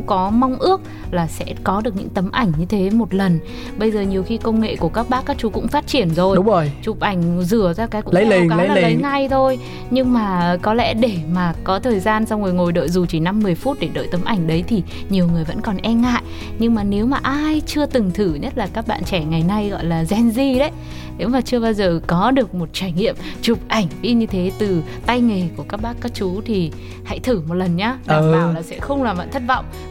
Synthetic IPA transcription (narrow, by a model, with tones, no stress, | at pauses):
kɔ˨˦ma˧wŋ͡mʔɨ˦˥ək̚ | laː˨˩sɛ̰˧˥kɔ˨˦ɗɨ˨˩ək̚ɲɨ̰˧˥ŋt̪ə˨˦mʔa˧˩jŋ̟ɲɨ˧t̪ʰe˨˦mo˨˩t̚lə˨˩n | ɓə˧jzəː˨˩ɲi˨˩əwxi˧kə˧wŋ͡mŋḛ˧˨ku˧˩əkaː˦˥k̚ɓaː˦˥kːaː˦˥k̚t͡ɕu˨˦kʊ̰˧˥ŋ͡mfaː˦˥t̚t͡ɕi˧˩ənzo˨˩jŋ͡mo˨˩jt͡ɕʊ˨˩p̚ʔa˧˩jŋ̟zɨ˧˩əzaː˧kaː˨˦jkʊ̰˧ə˨˦˨ka˨˦˨lə˨˦jŋa˧˩jt̪ʰo˧j | ɲɨ˧ŋmaː˨˩kɔ˨˦lɛ̰˧˥ɗe˧˩maː˨˩kɔ˨˦t̪ʰəː˨˩jzaː˧nsa˧wŋ͡mŋɨ˨˩jŋo˨˩jɗə̰ː˧˨jzu˨˩t͡ɕi˧˩na˧mːɨ˨˩əjfu˦˥t̚ɗe˧˩ɗə̰ː˧˨jt̪ə˨˦mʔa˧˩jŋ̟ɗə˨˦jt̪ʰi˨˩ | ɲi˨˩əwŋɨ˨˩əjvə̰˧˥nkɔ˨˩nʔɛ˧nŋa̰ː˧˨j | ɲɨ˧ŋmaː˨˩ne˨˦wmaː˨˩ʔaː˧jt͡ɕɨ˧ət̪ɨ˨˩ŋt̪ʰɨ˧˩ɲə˦˥t̚laː˨˩kaː˦˥k̚ɓa̰ː˧˨nt͡ɕɛ˧˩ŋa˨˩jna˧jɣɔ̰˧˨jlaː˨˩zɛ˧nzi˧ɗə˨˦j | ne˨˦wmaː˨˩t͡ɕɨ˧ə˧ɓaː˧wzəː˨˩kɔ˨˦ɗɨ˨˩ək̚mo˨˩t̚t͡ɕaː˧˩jŋḭ˧˨əmt͡ɕʊ˨˩p̚ʔa˧˩jŋ̟ɓḭ˧˥ɲɨ˧t̪ʰe˨˦t̪ɨ˨˩ | t̪a˧jŋe˨˩ku˧˩əkaː˦˥k̚ɓaː˦˥kːaː˦˥k̚t͡ɕu˨˦t̪ʰi˨˩ | ha̰˧˥jt̪ʰɨ˧˩mo˨˩t̚lə˨˩nɲaː˧ɗaəː˨˩laː˨˩sɛ̰˧˥xə˧wŋ͡mlaː˨˩mva̰ː˧˨nt̪ʰə˦˥t̚vɔ̰˧˨wŋ͡m